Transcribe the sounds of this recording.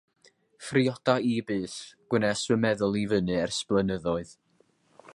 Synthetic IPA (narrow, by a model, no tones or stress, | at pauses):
friɔd̥aibɨːsɡ̥wənɛswəmɛðʊlˠivənɨɛrsplˠənəðɔɨð